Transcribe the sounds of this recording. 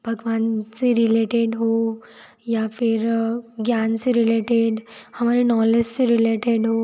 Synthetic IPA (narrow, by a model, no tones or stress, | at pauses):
b̥ʱəɡʋant͡seɾileʈeɖɦo | jafiɾɡjant͡seɾileʈeɖhəmaɾinɔled͡ʑt͡seɾileʈeɖɦo